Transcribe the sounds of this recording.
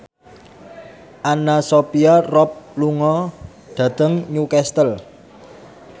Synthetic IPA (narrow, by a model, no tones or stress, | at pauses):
ʔanasopiarɔp̚luŋɔ | ɖ̪̥ä̤d̪̥ə̤ŋɲukɛst̪əl